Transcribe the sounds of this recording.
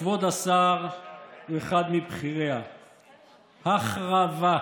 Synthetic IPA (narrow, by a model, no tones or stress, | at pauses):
vod̪asaʁ | eχad̪mibχiʁea | haχʁava